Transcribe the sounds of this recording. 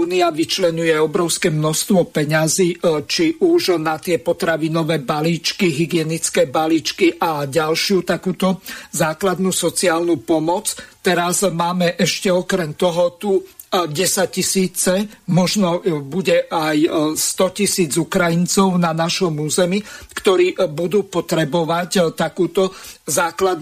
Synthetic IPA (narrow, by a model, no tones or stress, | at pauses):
uːniaʋit͡ʃlɛɲujɛɔbɾɔʊskɛmnɔst̪ʋɔpɛɲaziːt͡ʃiʔuʒnat̪ɪɛpɔt̪ɾaʋinɔʋɛːbaliːt͡ʃkiɦiɡɪɛnit͡skɛːbaliːt͡ʃkiʔaɟalʃɪut̪akuːt̪ɔzaːklad̪nusɔt͡siaːlnupɔmɔt͡st̪ɛɾazmaːmɛʔɛʃcɛɔkɾɛmt̪ɔɦɔt̪uː | ɟɛsac̚cisiːt͡sɛmɔʒnɔbuɟɛʔajst̪ɔcisiːd͡zukɾajint͡sɔʊnanaʃɔmuːzɛmikt̪ɔɾiːbud̪uːpɔt̪ɾɛbɔʋact̪akuːt̪ɔzaːklad̪